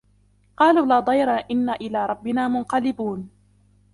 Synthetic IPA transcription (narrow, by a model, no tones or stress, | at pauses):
qɑːluːlaːd̪ˤɑjɾˤɑʔɪnːaʔɪlaːɾˤɑbːɪnaːmʊnqɑlɪbuːn